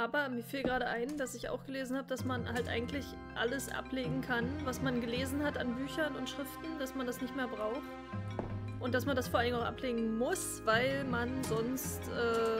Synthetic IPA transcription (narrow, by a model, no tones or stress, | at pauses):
ʔaːbɐmiːɐfiːlɡʁaːɾəʔaɪnd̥asɪça̰ʊxɡ̥əleːzn̩haːbəd̥asmanʔhaltʔa̰ɪɡŋ̩tʰlɪç | ʔa̰ləsʔa̰pleːɡŋ̩kʰanvasmanɡəleːzn̩hatanbyːçɐnʊntʃʁ̥ɪftn̩d̥asmandasnɪçtmeːɐbʁaʊxt | ʔʊnt̚d̥asmandasfoːɐaldɪŋaʊxʔa̰pleːɡŋ̩mʊs | v̥aɪlmanzɔnstʔɛː